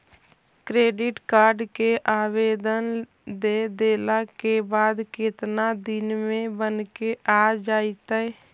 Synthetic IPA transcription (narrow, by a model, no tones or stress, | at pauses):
kɾeːɖɪʈkaːɾɖkeʔaːbeːd̪ən | d̪ed̪eːlakebaːd̪kɪt̪nad̪ɪnmẽbənkeʔaːd͡ʒaːit̪ɛɛ